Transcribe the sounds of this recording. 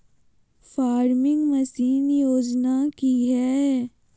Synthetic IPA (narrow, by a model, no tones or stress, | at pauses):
faːɾmɪ̃ŋɡmɐsiːnjoːd͡ʒnakiɦɛː